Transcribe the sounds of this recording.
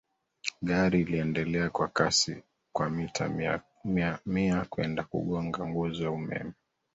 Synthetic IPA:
ɠaɾiːliɛndɛlɛakwakasḭ | kwamitʰa̰ | amiakwɛ̰ndakṵɠɔŋɡaŋɡuzɔjaumɛ̰mɛ

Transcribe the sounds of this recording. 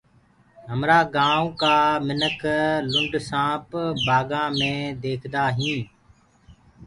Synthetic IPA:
ɦəmɾaːɡãːũːkaːmɪnəkʰlʊɳɖsãːpbaːɡãːmẽːd̪eːkʰd̪aːɦĩː

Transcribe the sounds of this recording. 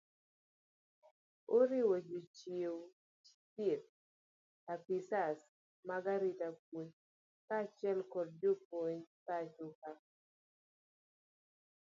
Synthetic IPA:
oɾɪwɔd͡ʒot͡ʃjew | tɪt̚ | apisas | maɡaɾitap̚oɲ | kat͡ʃjɛlkɔd̚d͡ʒopoɲtat͡ʃuka

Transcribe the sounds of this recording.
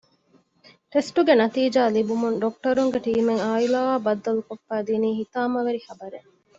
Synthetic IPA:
ʈesʈuɡenɐt̪iːd͡ʒaːlibumunɖok̚ʈɐɾuŋɡeʈiːmeŋaːilaːʋaːbɐd̪ːɐlukofːæːd̪iːniːɦit̪aːmɐʋeɾihɐbɐɾe

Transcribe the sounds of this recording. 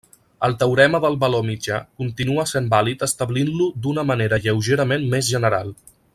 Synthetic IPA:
əlˠt̪əwɾɛməðəlˠβəlomid͡ʒakunt̪inuəsembalit̪əst̪əβlinlud̪unəməneɾəʎəwʒeɾəmenmmezʒənəɾalˠ

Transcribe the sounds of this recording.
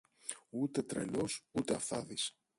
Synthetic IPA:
ut̪e̞t̪ɾe̞̰losut̪e̞ɐ̰fθɐðis

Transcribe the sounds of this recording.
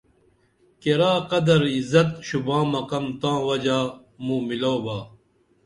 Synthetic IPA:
keɾaːqɐd̪ɐɾizɐt̪ɕubãːmɐkɐmt̪ãːwɐd͡ʑaː | mũːmiloːbaː

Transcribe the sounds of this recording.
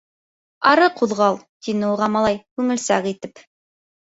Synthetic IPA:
ɑɾɤquðʁɑlˠ | t̪inɘuʁɑmɑlˠɑjkʉŋɘ̆lsæʁit̪ɘp

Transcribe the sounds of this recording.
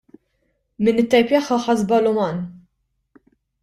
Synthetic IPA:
mɪnɪt̪ːɛjpɛħːɐħɐzbɐlʊmɐn

